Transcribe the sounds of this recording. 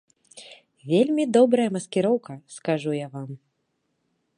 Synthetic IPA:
vʲelʲmʲid̪ɔbɾɐjɐmɐskʲɛɾɔwkɐskaʐujavam

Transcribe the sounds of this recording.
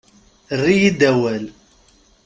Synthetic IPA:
ərːijid̪æwæl

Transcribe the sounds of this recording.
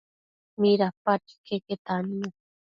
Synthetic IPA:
miɾapaʈi̥kʰeket̪anĩa

